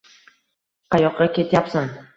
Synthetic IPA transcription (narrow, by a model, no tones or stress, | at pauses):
qʰɑjɒqːɑkʲe̞t̪ʰjapsan